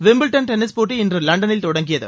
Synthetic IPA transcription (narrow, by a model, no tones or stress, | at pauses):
ʋɪmbɪlʈɐnʈɛnɪspoːʈːiɪndrɯlɐɳɖɐnɪlt̪ɔɽɐŋɡɪjɐðɯ̰